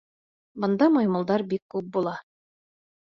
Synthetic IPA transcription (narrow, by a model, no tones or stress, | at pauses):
bɤ̆nd̪ɑmŏjmŏlˠd̪ɑɾbikːʉp̚bulˠɑ